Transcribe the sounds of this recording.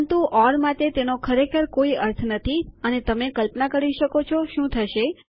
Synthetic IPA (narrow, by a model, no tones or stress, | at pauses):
nt̪uʔɔɾmat̪et̪enokʰəɾekʰəɾkoiəɾt̪ʰnət̪ʰiənet̪əmekəlpnakəɾiʃəkot͡ʃʰoʃũt̪ʰəʃe